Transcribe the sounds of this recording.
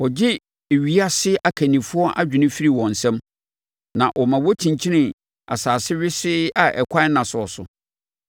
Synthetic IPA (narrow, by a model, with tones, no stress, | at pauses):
wɔ˨d͡ʑɪ˦ | e˨ɥi˨˦a˦sɪ˦ʔa˨kʰæ˨nĩ˨fʊ˦ɔ˦ʔa˦d͡ʑᶣɪ˨nɪ̃˦fi˦ɾi˨wɔ̃˨n̩˨sɛ̃˦m | nã˨ʔɔ˨mã˨wɔ˦tʰĩ˨ɲ˨t͡ɕʰi˦nɪ̃˨ | a̰˨saː˨sɪ˦ɥɪ˦sɪ˦a˨ʔɛ˨kʷʰa˦nã˨sʊ˨ɔ˨sʊ̰˨